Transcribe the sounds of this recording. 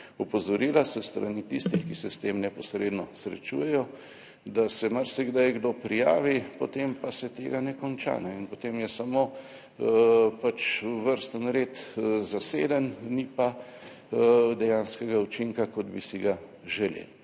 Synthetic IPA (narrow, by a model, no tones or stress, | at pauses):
ɔpɔzɔɾiːlasəst̪ɾa̰nit̪ist̪ixkisɛst̪emnɛpɔsɾed̪nɔsɾɛ̰t͡ʃṵjɛjɔ | d̪asɛmaɾsɛɡd̪ajɡd̪opɾijaːʋipot̪empasɛt̪eːɡanɛkɔnt͡ʃa̰nɛinpot̪emjɛsamo | pat͡ʃʋəɾst̪ənɾet̪zaseːd̪ənnipa | d̪ɛjanskɛɡaut͡ʃiŋkakɔd̪bisiɡa | ʒɛlḛl